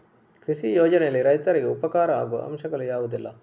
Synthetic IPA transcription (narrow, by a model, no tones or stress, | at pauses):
kɾisijoːd͡ʒɐnɛjɐlːiɾɐjt̪ɐɾiɡeupɐkaːɾɐa̰ːɡuʋɐ̰ɐ̰mʃɐɡɐɭujaːʋud̪ilːɐ